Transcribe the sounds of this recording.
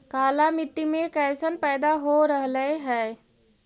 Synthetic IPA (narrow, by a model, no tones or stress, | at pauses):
kaːlamiʈːimẽkɛsənpɛɪd̪aɦoɾəɦləɦɛ